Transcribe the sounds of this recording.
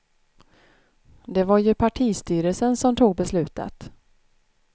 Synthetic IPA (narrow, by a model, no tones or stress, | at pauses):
d̪ɛvaɾjɵpʰaʈʰiːst̪yːɾəlsənsɔmt̪ʰuːɡ̚bɛslʉ̟ːt̪ʰa̰t̪